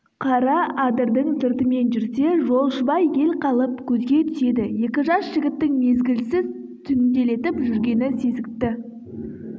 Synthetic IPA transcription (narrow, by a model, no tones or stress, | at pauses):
qʰɑɾɑɑd̪əɾd̪əɴsɪɾt̪əme̞nʒʏɾse̞ʒo̞lˠʃəbɑje̞lqʰɑlˠəpkʲʰɵzɡʲe̞t̪ʰʏ̥se̞d̪ɪje̞kʲɪʒɑsʒɪɡʲɪt̪ːɪŋme̞zɡʲɪlsɪz | t̪ʰʏnd̪e̞le̞t̪ɪpʒʏɾɡʲe̞nɪse̞zɪk̚t̪ɪ